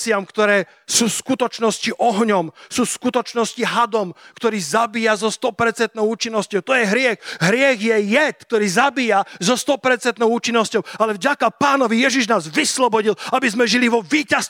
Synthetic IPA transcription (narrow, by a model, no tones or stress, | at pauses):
t͡sɪamkt̪ɔɾɛː | suːskut̪ɔt͡ʃnɔsciʔɔɦɲɔmsuːskut̪ɔt͡ʃnɔsciɦad̪ɔmkt̪ɔɾiːzabiːjazɔst̪ɔpɛɾt͡sɛnt̪nɔʊuːt͡ʃinːɔscɔʊt̪ɔjɛɦɾɪɛxɦɾɪɛɣjɛjɛt̪k̚t̪ɔɾiːzabiːjazɔst̪ɔpɛɾt͡sɛnt̪nɔʊuːt͡ʃinːɔscɔʊalɛvɟakapaːnɔʋijɛʒiʒnaːzʋislɔbɔɟilabizmɛʒiliʋɔʋiːcas